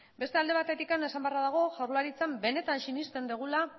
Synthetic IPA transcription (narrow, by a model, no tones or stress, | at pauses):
be̞st̪e̞ald̪e̞βat̪e̞t̪ikane̞sambearaðaɣ̞o̞ʝawrlaɾit͡sambe̞ne̞t̪ansinist̪e̞nd̪eɣula